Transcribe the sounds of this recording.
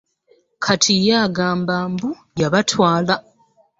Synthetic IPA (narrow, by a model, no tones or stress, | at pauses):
kʰatʰijaːɡaːmbaːmbu | jaβatwaːla